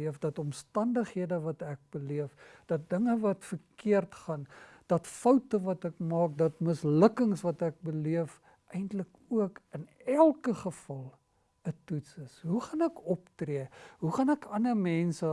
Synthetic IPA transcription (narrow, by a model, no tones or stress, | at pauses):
iəfdɐtɔmstɐndəχɦiədəvɐtæk̚bəliəfd̥ɐt̚dəŋəvɐtfərkiərtχɐn | d̥ɐtfɐwtəvɐtɛkmɑːk̚dɐtməsləkəŋsvɐtæk̚bəliəf | ɛjntlək | uəkənælˠkəχəfɐlˠ | ətutsəsɦuχɐnɛkɔptriəɦuχɐnækɐnəmɛnsə